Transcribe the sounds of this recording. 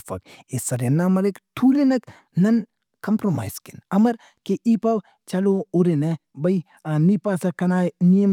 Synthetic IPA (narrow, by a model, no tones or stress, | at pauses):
fɐ̰kesɐɾjɐnːamɐɾekʈ̪ʰuːlinɐk | nɐn | kɐmpɾoma̰ːjskinɐmɐɾ | keʔipɐw | t͡ʃɐlouɾenebɐj | nipasɐkɐnaːjnijɐm